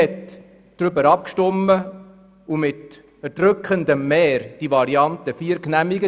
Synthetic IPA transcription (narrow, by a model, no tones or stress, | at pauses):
ɛt | d̥ɾʏbəɾɑp̚kʃtɔmːə | umɪt | əd̥ɾʏkχənd̪əmːɛːɾd̥iʋɑɾiɑnt̪əfiːəɾknæmiɡə